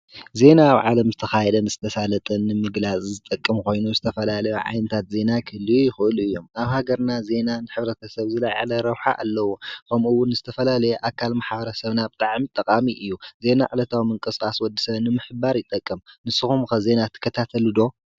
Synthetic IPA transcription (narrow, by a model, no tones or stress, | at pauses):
ze̞naːβʕalɐmzɨt̪ʰɐxajɛd̪ɐnɨzɨt̪ʰɐsalɐt̪ʼɐnːɨmɨɡlat͡sʼzɨt̪ʼɐkʼːɨmkʰo̞jnuzɨt̪ʰɐfɐlalɐjuʕa̰jnɨt̪ʰat̪ze̞nakʰɨlːɨjujɪxɨʔɨluɨjːo̞maβhaɡɐɾnaze̞nanɨħɨβɾɐt̪ʰɐsɐβzɨlajʕa̰lɐɾɐwħa̰ʔa̰lːɐwokʰɐmuwːʊnzɨt̪ʰɐfɐlalɐjɛʔakʰːalmaħbɐɾɐsɐβnabɨt̪ʼaʕmit̪ʼːɐkʼamiʔɨjːuze̞naʕalɐt̪ʰawmɨŋkʼɨskʼaswɔd̪ːɨsɐβnɨmɨħɨbaɾjɪt̪ʼɐkʼːɨmnɨsɨxumkɐze̞nat̪ʰɨ̥kʰːɐt̪ʰat̪ʰɐlud̪o̞